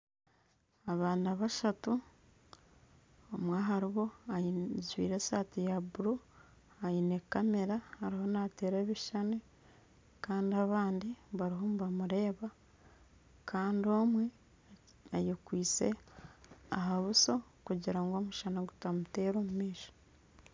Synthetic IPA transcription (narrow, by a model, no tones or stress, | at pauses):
aβaːndaβaʃatu | omwaːɦaɾiβo̞azwḭːɾesaːtijabuɾu | ajinekːameɾahaɾiho̞nate̞ːɾeːβiʃane | kaːndiaβaːndiβaɾiɦo̞muβamuɾe̞ːβa | kʰaːndio̞mwe̞ | ajekwiːt͡se̞̰ | aɦaβusokuɟiɾaŋɡo̞ːmuʃanaɡutamute̞ːɾoːmumiːʃo̥